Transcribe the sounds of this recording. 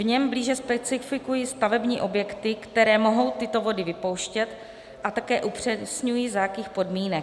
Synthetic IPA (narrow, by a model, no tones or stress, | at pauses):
vɲɛmbliːʒɛspɛt͡sɪfɪkujist̪avɛbɲiːʔo̞bjɛkt̪ɪkt̪ɛɾɛːmo̞ɦo̞wt̪ɪt̪o̞vo̞dɪvɪpo̞wʃcɛt̪ | ʔat̪akɛːʔupr̝̥ɛsɲujiːzajakiːxpo̞dmiːnɛ